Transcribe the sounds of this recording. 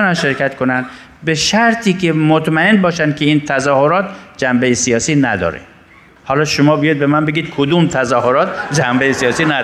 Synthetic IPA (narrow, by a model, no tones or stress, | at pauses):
nænʃeɾkʲæt̪kʰonæn | beʃæɾt̪ʰiːkemot̪mæenbɒːʃænd̪kʰeiːnt̪ʰæzɒːhoɾɒːt̪̚d͡ʒæmbejesijɒːsiːnæd̪ɒ̰ːɾḛ | hɒːlɒːʃomɒːbijɒjd̪̚bemænbeɡiːd̪̚kʰod̪umt̪ʰæzɒːhoɾɒːt̪̚d͡ʒæmbejesijɒːsiːnæ